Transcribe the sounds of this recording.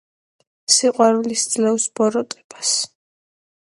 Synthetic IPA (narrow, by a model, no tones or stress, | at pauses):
siqʼwaɾlisd̪zlɛwsbɔɾɔt̪ʼɛ̥b̥as